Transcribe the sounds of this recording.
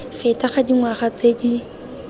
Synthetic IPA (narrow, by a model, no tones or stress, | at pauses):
fɛtaχadiŋwaχat͡sedi